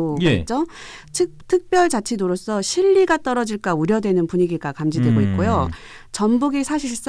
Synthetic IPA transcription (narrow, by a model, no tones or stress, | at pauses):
ot͡ɕ͈ot͡ɕʰɯtʰɯk̚p͈jʌɭt͡ɕat͡ɕʰidoɾos͈ʰʌɕʰiʎːiɡat͈ʌɾʌd͡ʑiɭk͈auɾjʌdwe̞nɯnpuɲiɡiɡakamd͡ʑidwe̞ɡoik̚k͈ojo | t͡ɕʌmbuɡisʰaɕʰiɭs͈